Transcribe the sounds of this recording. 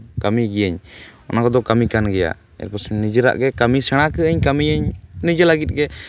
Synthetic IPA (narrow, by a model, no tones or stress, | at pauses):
kamiɡijəɲɔnakɔd̪ɔkamikanɡɛja̰ | ɛ̰ɾpɔsɛnid͡ʒəɾa̰ʔɡɛkamisɛɽ̃akəəɲkamiəɲnid͡ʒəlaɡit̪̚ɡɛ